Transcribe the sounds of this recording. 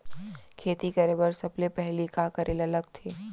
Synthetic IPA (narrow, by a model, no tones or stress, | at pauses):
kʰeːt̪ikɐɾeːbəɾsɐblepɛɦlikaːkɐɾʔeːlɐləɡt̪ʰeː